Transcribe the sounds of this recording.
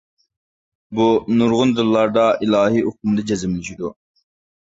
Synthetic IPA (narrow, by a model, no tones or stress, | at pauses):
bunuɾʁʊnd̪ɨlˠːɑɾd̪ɑilˠɑːɦioq̚umd̪ɑd͡ʒɛzɪmlyʃid̪u